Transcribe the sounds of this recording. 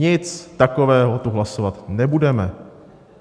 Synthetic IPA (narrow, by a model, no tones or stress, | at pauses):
ɪt͡st̪ako̞vɛːɦo̞t̪uɦlasovat̪nɛbudɛmɛ